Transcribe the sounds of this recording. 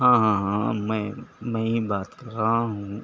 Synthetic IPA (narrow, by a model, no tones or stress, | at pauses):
ɦãːɦãːɦãmɛ̃ːmɛ̃ːɦibaːt̪kɐɾːaɦaɦũː